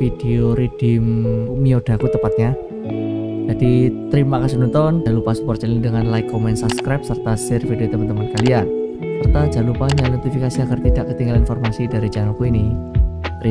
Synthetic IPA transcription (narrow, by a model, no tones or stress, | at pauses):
fid̥eoɾid̥ɪmmiod̥a̤kut̪əpat̪̚ɲa | d͡ʒadit̪əɾimakas̬inɔnt̪ɔnd͡ʒalupasupɔrt͡ʃəlidəŋanlaɪkːomɛnsabskɾap̚sərt̪asɛrfideot̪əmant̪əmankalian | sərt̪ad͡ʒalupaɲanot̪ifikasiaɡərt̪idaʔkːət̪iŋɡalainfɔrmasidaɾid͡ʒanukuini | ɾi